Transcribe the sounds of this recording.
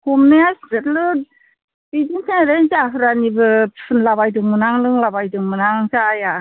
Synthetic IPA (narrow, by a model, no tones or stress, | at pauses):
humnejasdɯlɯ | bid͡ʒintʰanɾenzaɦɯɾanibɯpʰɯnlaβajdɯŋmɯnaŋlɯŋlabajdɯŋmɯnaŋzaja